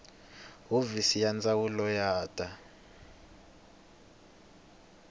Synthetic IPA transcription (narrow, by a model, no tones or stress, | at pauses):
uvisijand͡zʼawulɔjaːtʼa